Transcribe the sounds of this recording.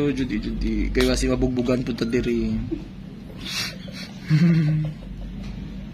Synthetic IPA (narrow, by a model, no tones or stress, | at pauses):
ud͡ʒud̪id͡ʒud̪ikajwasimabuɡ̚buɡanput̪ad̪iɾi